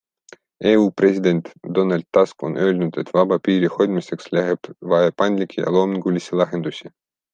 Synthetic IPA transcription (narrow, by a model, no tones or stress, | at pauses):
eːuːpresʲid̪e̞nʲt̪d̪̥onɑlʲt̪ːɑsko̞̰nøːlnut̪e̞t̪vɑbɑpiːɾixo̞d̪ʲmise̞kslæɦeb̥vɑepɑnʲlʲikʲʰːijɑ̰lˠoːmiŋɡulʲisʲilɑɦend̪usʲi